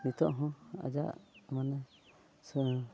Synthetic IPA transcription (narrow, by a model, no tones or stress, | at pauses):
nit̪ɔʔɦɔ̃a̰d͡ʒa̰ʔmanɛ | s